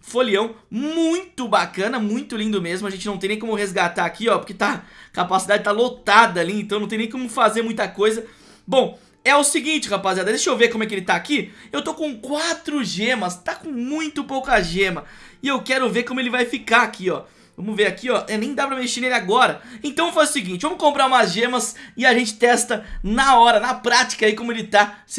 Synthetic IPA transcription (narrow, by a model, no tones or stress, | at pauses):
foliɐ̃w̃mũj̃t̪ʊbakɐ̃nɐmũj̃t̪ʊlĩnd̪ʊmezmʊɐʒẽt͡ʃɪnɐ̃t̪ẽnẽj̃komʊhezɡat̪aɾakiɔpoɾket̪akapasid̪ad͡ʒɪt̪alot̪ad̪ɐalĩẽt̪ɐ̃ɐ̃t̪ẽj̃nẽj̃komʊfazeɾmũj̃t̪ɐkojzɐ | bõw̃ | ɛʊsɪɡĩnt͡ʃɪhapaziad̪ɐd̪eʃowveɾkõmʊɛkɪelɪt̪aːkiewt̪okõkwat̪ɾʊʒẽmɐst̪akõmũj̃t̪ʊpowkɐʒẽmɐ | ɪewkɛɾʊveɾkõmʊelɪvajfikaakʰiɔ | vɐ̃mʊveɾakiɔɛnẽj̃d̪apɾɐmeʃeɾnelɪaɡɔɾɐẽt̪ɐ̃ewfasʊsɪɡĩt͡ʃɪvɐ̃mʊkõmpɾaɾumɐʒẽmɐsɪaʒẽnt͡ʃɪ̥t̪ɛst̪ɐnɐɔɾɐnɐpɾat͡ʃi̥kɐaikõmʊelɪt̪as